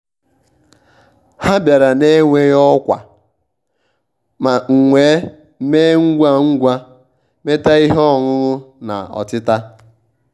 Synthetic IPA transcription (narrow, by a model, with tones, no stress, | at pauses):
ha˦bja˨ɾa˨ne˦ŋʷe˦jɔ˦kʷa̰˨ | ma˨ŋ̩˨ŋʷe˨˦ | me˦ŋ̩˦ɡʷa˦ŋ̩˦ɡʷa˦ | me˦ta˦i˦ɦɔ˦˨ŋʊ˦ɣʊ˦na̰˨ɔ̰˨tɪ˦ta˦